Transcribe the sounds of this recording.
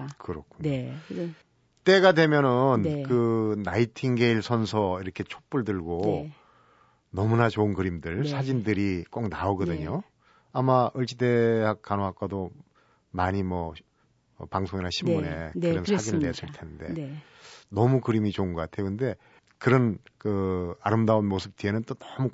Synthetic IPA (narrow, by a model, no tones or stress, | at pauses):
kɯɾʌkʰu | t͈e̞ɡadwe̞mjʌnɯnkɯːaitʰiŋɡe̞iɭsʰʌnsʰʌiɾʌkʰe̞t͡ɕʰok̚p͈uɭdɯɭɡo | nʌmunat͡ɕoɯnkɯɾimdɯɭsʰad͡ʑindɯɾik͈oknaoɡʌdɯɲo | amaʔɯɭt͡ɕ͈ide̞hak̚k͈anoɦak͈ado | maɲimwʌ | paŋsʰoŋinaɕʰimune̞kɯɾʌnsʰad͡ʑinɯɭnes͈ʰɯɭtʰenɯnde̞ | nʌmukɯɾimit͡ɕoɯnɡʌk͈atʰe̞jokɯnde̞ | kɯɾʌnkɯaɾɯmdaunmosʰɯp̚t͈ienɯnt͈onʌmu